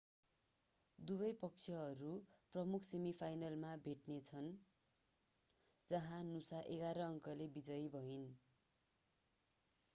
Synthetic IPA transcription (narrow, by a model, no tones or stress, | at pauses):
d̪ubʌjpʌk̚t͡sʰjʌɦʌɾuprʌmukʰsemipʰajnʌlmabʱeʈnet͡sʰʌn | d͡zʌɦãnusaʔeɡaɾʌːŋkʌlebid͡zʌjbʱʌin